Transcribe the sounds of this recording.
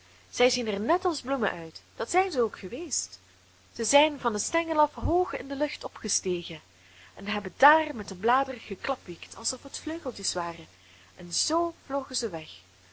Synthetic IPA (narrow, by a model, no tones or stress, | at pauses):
z̥ɛjzinɛrnɛtɑlˠzblumə̰ʔœɥtd̥ɑtsɛjnzəoːkχəʋeːst | z̥əzɛjnvɑndəstɛŋəlɑfɦoːxɪndəlɵxtɔpχəsteːɣən | ɛnɦɛbəndaːrmɛtənblaːdərɣəklɑpʋiktʰɑlˠzɔfɦətfløɥxəlˠtysʋaːrə | ʔɛnzoːv̥loːɣəzəʋɛx